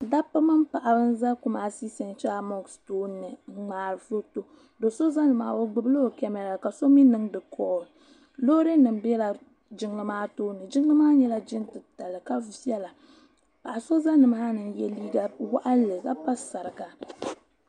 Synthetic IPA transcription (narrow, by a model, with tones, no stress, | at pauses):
da˦pa˦ma˦mpa˨ʔa˨bɨ˦n̩˦za˦ku˦maː˨si˦sɛ˨nt͡ʃa˦mɔ˦ɡstoː˦nːɨ˨˦ŋ͡maː˨ɾɨ˨fo˦to˦ | do˨so˦za˦nɨ˨ma̰ː˨˦˨wo˦ɡ͡bɨ˦bɨ˦lo˦˨kɛ˦mɛ˨la˨ka˨so˦mi˦nɨ˦ŋdɨ˨kʰɔː˦lɨ˨ | lo˦ɾe˦nɨ˨m˦bɛ˦la˨ | d͡ʒɪ˦ŋ˦lɨ˦maː˦toː˦nːɨ˨d͡ʒɪ˦ŋ˦lɨ˦maː˦ɲɛ˦la˦d͡ʒɪ˦ntɨ˨ta˨lɨ˨ka˦vɛ˦la˨ | pa˨ʔa˨so˦za˦nɨ˨maː˦nɨ˨njɛ˦liː˦ɡa˦wa˦ʔa˦lɨ˨ɡa˦pa˦sa˨ɾɨ˨ka˨